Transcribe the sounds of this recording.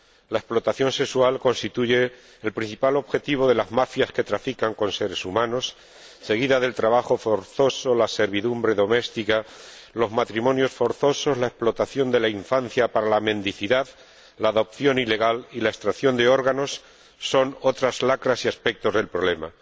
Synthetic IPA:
lae̞splo̞t̪aθjo̞nse̞kswalko̞nst̪it̪uʝe̞ː | lpɾin̟θipalo̞βxe̞t̪iβ̞o̞ðe̞lazmafjaske̞t̪ɾafikaŋko̞nse̞ɾe̞sumãno̞sː | e̞ɣ̞iðaðe̞lt̪ɾaβ̞axo̞foɾθo̞so̞lase̞ɾβiðumbɾe̞ðo̞me̞st̪ikalo̞zmat̪ɾimõ̞njo̞sfo̞ɾθo̞so̞zlae̞splo̞t̪aθjo̞nd̪e̞laiɱfan̟θjapaɾalamẽ̞nd̪iθiðað | laːðo̞p̚θjo̞nile̞ɣ̞alilae̞st̪ɾaθjo̞nd̪e̞o̞ɾɣano̞sː | o̞no̞t̪ɾazlakɾasiaspe̞k̚t̪o̞zðe̞lpɾo̞βle̞ma

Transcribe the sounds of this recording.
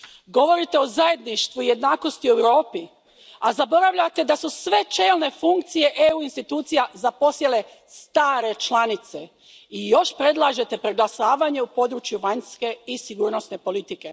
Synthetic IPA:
ɡo̞ʋo̞ɾit̪eo̞zaje̞d̪niʃt̪ʋuije̞d̪naːko̞st̪ioewɾo̞ːpi | azabo̞ɾaʋʎat̪e̞d̪asusʋe̞t͡ʃe̞ːlne̞fuŋkt̪sije̞ʔeuinst̪it̪uːt̪sijazapo̞sjele̞ | st̪aːɾe̞t͡ʃlˠanit̪se̞ | ijo̞ʃpɾe̞d̪lˠaːʒe̞t̪e̞pɾeɡlˠasaːʋaɲe̞upo̞d̪ɾut͡ʃjuʋaɲske̞isiɡuːɾno̞sne̞po̞lit̪ike̞

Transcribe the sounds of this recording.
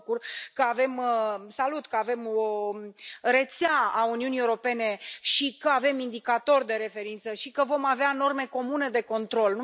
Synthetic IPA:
kurkəave̞məsalut̪kəave̞mo | ɾet̪seaauniunieuɾo̞pe̞ne̞ʃikəave̞mind̪ikat̪o̞rʲd̪e̞ɾe̞fe̞ɾint̪səʃikəvo̞maveano̞rme̞ko̞mune̞d̪e̞ko̞nt̪ɾo̞lnu

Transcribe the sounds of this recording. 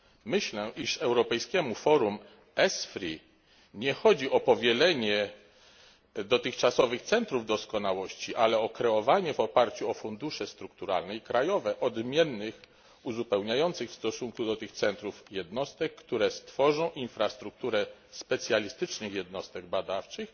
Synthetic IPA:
mɘɕlɛʔiʂɛwɾɔpɛjskʲɛmufɔɾum | ɛsfɾi | ɲɛxɔd͡ʑiʔɔpɔvʲjɛlɛɲɛ | d̪ɔt̪ɘxt͡ʂasɔvɘxt̪sɛnt̪ɾuvd̪ɔskɔnawɔɕt͡ɕiʔalɛɔkɾɛɔvaɲɛvɔpaɾt͡ɕuɔfund̪uʂɛst̪ɾuk̚t̪uɾa̰lnɛjikɾajɔvɛʔɔd̪mʲjɛnːɘx | uzupɛwɲajɔnt̪sɘxfst̪ɔsuŋkud̪ɔt̪ɘxt̪sɛnt̪ɾufjɛd̪nɔst̪ɛkːt̪uɾɛst̪fɔʐɔ̃w̃ʔinfɾast̪ɾuk̚t̪uɾɛspɛt̪sʲjalʲist̪ɘt͡ʂnɘxjɛd̪nɔst̪ɛɡbad̪aft͡ʂɘx

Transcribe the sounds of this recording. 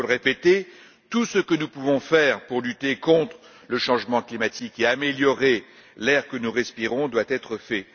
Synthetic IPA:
lʁepet̪e | t̪usəkənupuvɔ̃fɛʁpuʁlyt̪ekɔ̃t̪χ | ləʃɑ̃ʒmɑ̃klimat̪ʰikeameljɔʁe | lɛʁkənuʁɛspiʁɔ̃d̪wat̪ɛt̪χəfɛ

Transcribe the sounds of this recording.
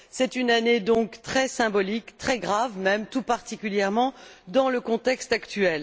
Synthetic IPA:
sɛt̪ynaned̪ɔ̃kt̪χɛsɛ̃bɔlikt̪χɛɡʁavmɛmt̪upaʁt̪ikʲyljɛʁmɑ̃d̪ɑ̃ləkɔ̃t̪ɛkst̪akt̪ɥɛl

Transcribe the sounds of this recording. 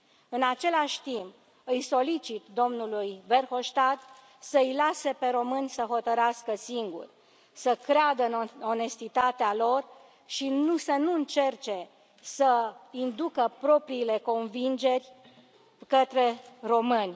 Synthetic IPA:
ɨnat͡ʃe̞laʃʲt̪imp̚ | ɨjso̞lit͡ʃit̪d̪o̞mnulujve̞rxo̞ʃt̪at̪ | səɨjlase̞pe̞ɾo̞mɨnʲsəɦo̞t̪əɾeaskəsiŋɡṵrʲ | səkɾead̪əɨno̞ne̞st̪it̪at̪ealo̞r | ʃinusənuɨnt͡ʃe̞rt͡ʃe̞ | səind̪ukəpɾo̞pɾiːle̞ko̞nvind͡ʒe̞rʲ | kət̪ɾe̞ro̞mɨnʲ

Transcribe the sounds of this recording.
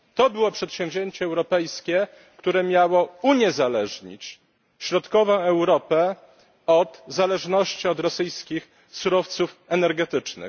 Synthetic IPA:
t̪ɔbɘwɔpʂɛt̪ɕɛ̃w̃vʲʑeɲt͡ɕɛːwɾɔpɛjskʲɛ | kt̪uɾɛmʲjawɔuɲɛzalɛʐɲḭt͡ɕ | ɕɾɔt̪kɔvɔ̃w̃ɛwɾɔpɛ | ɔd̪zalɛʐnɔɕt͡ɕiɔd̪ɾɔsɘjskʲix | suɾɔft̪sufɛnɛɾɡɛt̪ɘt͡ʂnɘ̰

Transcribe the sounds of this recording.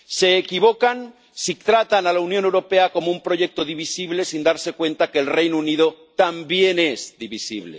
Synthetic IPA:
se̞ːkiβ̞okan | sit̪ɾat̪analaunjonewɾo̞pe̞ako̞moumpɾo̞ʝek̚t̪oðiβ̞isiβle̞sind̪aɾse̞kwẽ̞nt̪akeːlrejnouniðo | t̪ambjene̞zd̪iβisḭβlḛ

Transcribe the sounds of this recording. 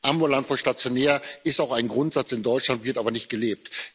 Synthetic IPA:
ʔambulantfɔʃtat͡sjonɛːɐɪstaʊxaɪnɡʁʊntz̥at͡sɪndɔʏt͡ʃlantv̥ɪɐtʔaːbɐnɪçt̚ɡ̥əleːp̚t

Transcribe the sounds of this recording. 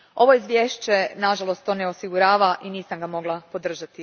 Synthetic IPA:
o̞ʋoizʋʲjeːʃt͡ɕe̞naʒalo̞st̪ːo̞ːneosiɡuɾaːʋaʔiniːsamɡamo̞ɡlˠapo̞d̪r̩ʒat̪i

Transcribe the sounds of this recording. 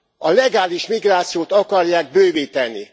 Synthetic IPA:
ɒlɛɡaːliʃmiɡraːt̪sijoːt̪ɒkɒrjaːɡ̚bøːveːt̪ɛnːḭ

